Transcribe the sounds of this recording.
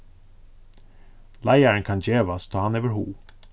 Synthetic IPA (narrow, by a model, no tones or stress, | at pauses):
læɪəɹənkʰɑnd͡ʒeːʋɑst̪ʰoːhɑneːʋəɾhṵː